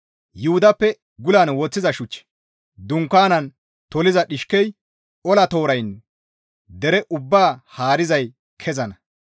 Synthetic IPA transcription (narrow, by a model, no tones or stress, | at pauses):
jʊhʊd̪ɐpːɛ | ɡʊlaːnwɔt͡sːɪzɐʃʊt͡ʃː | d̪ʊŋkːaːnɐn | t̪ɔlɪzɐɗɪʃkɛj | ʔɔlɐt̪o̞ːɾɐjn | d̪ɛɾɛʔʊbːaːhaːɾɪzɐj | kʰɛzɐnɐ